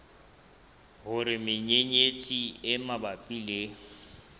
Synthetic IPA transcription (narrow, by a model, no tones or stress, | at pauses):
ɦʊɾɪmɪɲeɲet͡sʼiɪmabapʼiːle